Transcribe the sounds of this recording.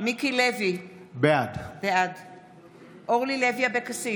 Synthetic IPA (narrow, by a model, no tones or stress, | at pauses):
mikilɛvibɛadb̥ɛad | olilɛviabɛkasi